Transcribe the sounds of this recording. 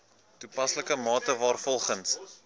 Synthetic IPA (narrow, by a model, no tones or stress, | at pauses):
tupɐsləkəmɑːtəvɑːrfɔlˠχəns